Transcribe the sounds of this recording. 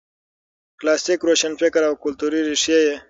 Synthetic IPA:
klaːsʈikɾoːʃɐnfɪkəɾawkʊlt̪uɾiɾiʂjeje

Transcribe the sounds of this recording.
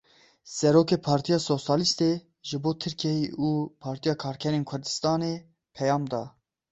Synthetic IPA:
sɛɾoːkeːpʰɑːɾt̪ʰijɑːsoːsɑːlist̪e | ʒɨboːt̪ʰɨɾkʰiɛjiʔuːpʰɑːɾt̪ijɑːkʰɑːɾkʰɛɾeːnkʰʊɾd̪ɨst̪ɑːneː | pʰɛjɑːmd̪ɑː

